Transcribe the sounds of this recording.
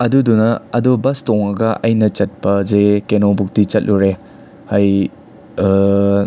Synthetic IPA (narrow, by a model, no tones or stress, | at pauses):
ɐdudunɐɐdobɐstɔŋɐɡɐʔɐjnɐt͡ʃɐt̚pɐzekenobuk̚dit͡ʃɐt̚lʔuɾe | hɐj